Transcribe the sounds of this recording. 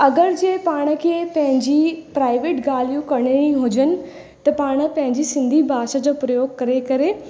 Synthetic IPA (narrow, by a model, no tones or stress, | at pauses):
ɐɡəɾd͡ʑeːpaːɽ̃ə̆kʰeːpɐ̃ɦɪ̃ɲd͡ʑipɾaːɪʋeːʈɡaːlijũkɐɽ̃iɽ̃iɦʊd͡ʑənɪ̆ | t̪ɐpaːɽ̃ə̆pɐ̃ɦɪ̃ɲd͡ʑisɪ̃nd̪ʱibʱaːʃəd͡ʑoːpɾɐjoːɡkɐɾekɐɾe